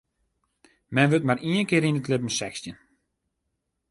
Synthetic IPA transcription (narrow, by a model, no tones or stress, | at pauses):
mɛnʋøtmariənkɪːɾinətlɪpən̩sɛxstjən